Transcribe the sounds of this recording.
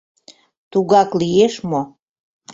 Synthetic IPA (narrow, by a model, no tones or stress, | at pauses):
t̪uɣɑklieʃmo